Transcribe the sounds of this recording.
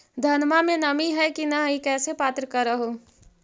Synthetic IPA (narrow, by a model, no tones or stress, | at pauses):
d̪ʱənmamenəmiɦɛjkinəikɛsepat̪ɾəkəɾəɦo